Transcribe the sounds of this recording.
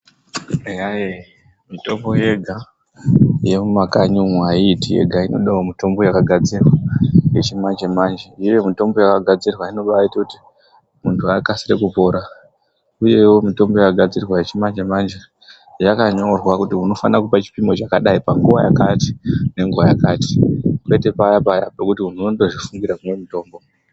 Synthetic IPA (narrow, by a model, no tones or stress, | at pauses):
ejaje | mito̞mbo̞je̞ɡʱa | je̞mumakaɲumuaiːtijḛɡʱaino̞̰ɗaomito̞mbo̞jakaɡʱad͡zirwajet͡ʃimand͡ʒemand͡ʒeije̞mito̞mbo̞jakaɡʱad͡zirwaino̞ɓaaitakuti | muntʰuakasirekupo̞ɾa | uje̞wo̞mito̞mbo̞jakaɡʱad͡zirwaje̞t͡ʃimand͡ʒemand͡ʒe | ʐakaɲo̞rwakutiɦuno̞fa̰nakupat͡ʃi̥pimo̞t͡ʃakaɗaipaŋɡuʋaja̰kati̥ne̞ŋɡuʋajakaːti̥kwe̞te̞pajapajapekutiunonoɗoʐifuŋɡiɾaunwe̞mito̞ːmbo̞